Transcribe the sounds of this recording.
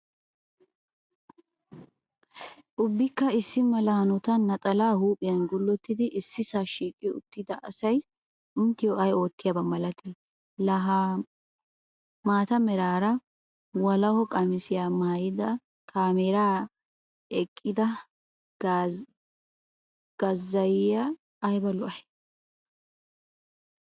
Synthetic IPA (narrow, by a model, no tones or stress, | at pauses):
ʔʊbːɪkːɐɪsːɪmɐlaːnɔt̪ɐnːɐt̪ʼɐlaːhuːpʼɪjɐnɡʊlːɔt̪ːɪd̪ɪʔɪsːɪsaːʃiːkʼːɪʊ̰t̪ːɪd̪ɐʔɐsɐj | ʊnt̪ːɪjoɐjo̞ːt̪ːɪjabɐmɐlɐt̪e | lɐɦa | maːt̪ɐmɛɾaːɾɐ | wɐlɐhɔkʼɐmɪsɪjaːmaːjɪd̪ɐ | kʰaːmeːɾaː | ɛkʼːɪd̪ɐ | ɡ̥ɐzːɐjɪjaː | jbɐlʊʔɐhɛ̥